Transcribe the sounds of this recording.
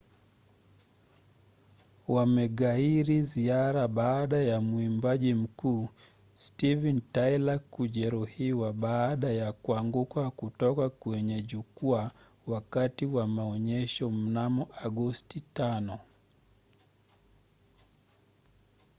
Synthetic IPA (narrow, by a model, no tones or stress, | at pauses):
wamɛɠaiɾiziaɾaɓaːɗajamuimbaʄim̩kuː | stivɛntajlakuʄɛɾuhiwaɓaːɗajakuaŋɡukakutɔkakwɛɲɛʄukua | wakatiwamaɔɲɛʃɔm̩namɔʔaɠɔstitanɔ